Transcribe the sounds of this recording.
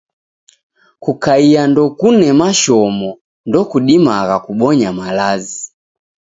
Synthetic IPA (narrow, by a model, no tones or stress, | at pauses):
kukaiandɔkunɛmaʃɔmɔ | ndɔkuɗimaɣakuɓɔɲamalazi